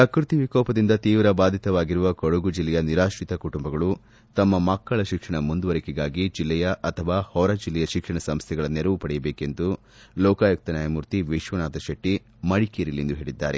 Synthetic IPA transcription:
sɐkɾut̪iʋikɔːpɐd̪ind̪ɐt̪iːʋɾɐbaːd̪ʱit̪ɐʋaːɡiɾuʋɐkoɽuɡud͡ʒilːɛjɐniɾaːʂɾit̪ɐkuʈumbɐɡɐɭu | t̪ɐmːɐmɐkːɐɭɐʃikʂɐɳɐmund̪uʋɐɾikiɡaːɡid͡ʒilːɛjɐʔɐt̪ʰɐʋaːhɔɾɐd͡ʒilːɛjɐʃikʂɐɳɐsɐmst̪ʰɛɡɐɭɐnːeɾɐʋupɐɽɛjɐbeːke̞nd̪u | lɔːkaːjɐk̚t̪ɐnjaːjɐmuɾt̪iʋiʃʋɐnaːt̪ɐʃɐʈːi | mɐɭikeːɾilend̪uɦe̞ːɭid̪ːa̰ːɾḛ

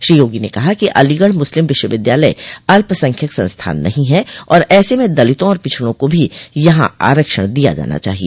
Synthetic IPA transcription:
ʃɾiːjoːɡinekɐɦakiʔɐliɡəɽmʊslɪmʋɪʃwəʋɪd̪jaːləiɐlpəsɐ̃ŋkʰjəksɐ̃nst̪ʰa̰ːnːɐɦĩɦɛɔːɾɛːsemẽd̪ɐlɪt̪õɔːɾpɪt͡ʃʰɽõkobʱijɐɦã̰a̰ːɾəkʃəɽ̃d̪ija̰d͡ʒa̰ːna̰t͡ʃa̰ːɦieː

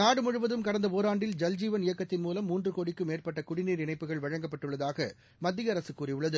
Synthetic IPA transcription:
naːɽɯmʊɻɯʋɐðɯmkɐɽɐnd̪ɐpoːɾaːɳɖɪld͡ʒɐld͡ʒiːʋɐnɪjɐkːɐt̪ːɪnmuːlɐmːuːndrɯkoːɽɪkːɯmeːrpɐʈːɐkʊɽɪniːɾɪɳɐɪpːɯɣɐɭʋɐɻɐŋɡɐpːɐʈːɯɭːɐðaːɣɐ | mɐd̪ːɪjɐɾɐsɯkːuːrɪjɯɭːɐðɯ

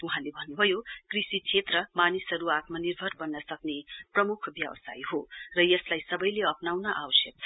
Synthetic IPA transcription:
uɦãlebʱʌnːubʱʌjokrisit͡sʰet̪rʌmanisɦʌɾuat̪mʌnirbʱʌrbʌnːʌsʌkneprʌmukʰbjʌ̰wʌsa̰jɦorʌjʌslajsʌbʌjleʌpnawnʌʔawʌsjʌk̚t͡sʰʌ

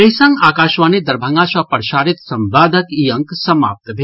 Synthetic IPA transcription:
ɐɦjsɐ̃ŋɡaːkaːʃʋaːnid̪ɐɾbʱɐ̃ŋɡaːʃʋapɐɾʃaːɾit̪sɐmbaːd̪ʱɐkiɐŋksɐma̰ːp̚t̪bʱe

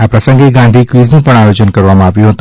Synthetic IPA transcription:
apɾəsəŋɡeɡãnd̪ʱikʋiznũpəɳajod͡ʒənkəɾʋamãaʋjũɦət̪ũ

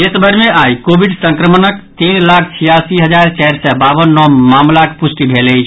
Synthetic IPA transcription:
esəbʱəɾmeajkobʱiɖsə̃ŋkɾəmənəkt̪inlakʰt͡ʃʰijasiɦəd͡ʒaɾt͡ʃɛɾsɛbabənːɔmamlakpusʈibʱeləjt͡ʃʰ

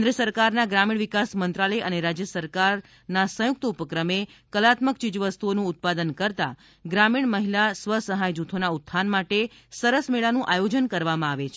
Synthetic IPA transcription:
nɾəsəɾkaɾnaɡɾamiɳ̃ʋikasmənt̪ɾaləjʔəneɾad͡ʒjəsəɾkaɾ | nasə̃jʊk̚t̪əupəkɾəmekəlat̪mək̚t͡ʃid͡ʒʋəst̪uonũːt̪̚pad̪ənkəɾt̪a̰ | ɡɾamiɳ̃məɦilasʋəsəɦajd͡ʒut̪ʰonaut̪ːsʰanmaʈe | səɾəsmeɭanũʔajod͡ʒənkəɾʋamãaʋet͡ʃʰe

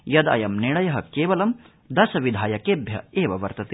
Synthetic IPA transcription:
jɐd̪ɐ̰jɐmniɭɐjɐɦɐkeːʋɐlɐm | d̪ɐsɐʋid̪ʱaːjɐkeːbʱjɐeːʋɐʋɐɾt̪ɐt̪i

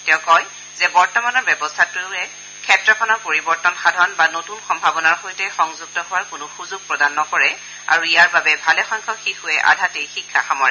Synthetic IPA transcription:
tɛʊ̃kɔj | zɛbɔɹtɔmanɔɹbɛbɔstʰatʊɛ | kʰɛtɹɔkʰɔnɔɹpoɹibɔɹtɔnxadʱɔnbanotunxɔmbʱabɔnaɹxojtɛxɔŋzuɡ̚tɔɦʊwaɹkʊnʊxuzʊɡ̚pɹɔdanːɔkɔɹɛ | a̰ɹuijaɹbabɛbʱalɛxɔjŋkʰɔxikhʊɛʔa̰dʱatejxikʰːaxamɔɹɛ

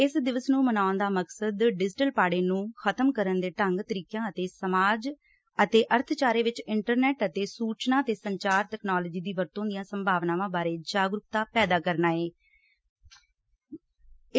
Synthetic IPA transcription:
ɪsd̪ɪʋəsnũːmənaːʊnd̪aːməksəd̪ɖɪd͡ʒɪʈəlpaːɽeːnũːxʰət̪əmkəɾənd̪eːʈəŋɡt̪əɾiːkjãːət̪eːsəmaːd͡ʒ | ət̪eːʔəɾt̪ʰt͡ʃaːɾeːʋɪt͡ʃɪɳʈəɾnɛːʈət̪eːsuːt͡ʃnãːət̪eːsəɲt͡ʃaːɾʈɛːknaːloːd͡ʒiːd̪iːʋəɾt̪õːd̪ɪjãːsəmbʱaːʋnãːʋãːbaːɾeːd͡ʒaːɡɾʊp̚t̪aːpɛːd̪aːkəɾnaːeː

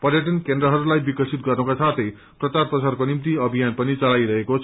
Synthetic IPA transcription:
pʌrjʌʈʌnkend̪rʌɦʌɾulajbikʌsʰit̪̚ɡʌrnukasʰat̪ʰʌj | prʌt͡sarprʌsarkonimt̪iʌbʱijanpʌnit͡sʌlajɾʌɦekot͡sʰ

